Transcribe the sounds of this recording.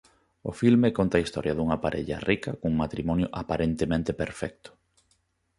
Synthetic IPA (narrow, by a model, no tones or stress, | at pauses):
ʊfilmekont̪ɐaist̪ɔɾʔjɐðuŋɐpaɾʔḛʎɐ̰rʔikɐkuŋmat̪ɾimɔnjoʔapaɾʔent̪emẽnt̪epeɾfɛk̚t̪ʊ̥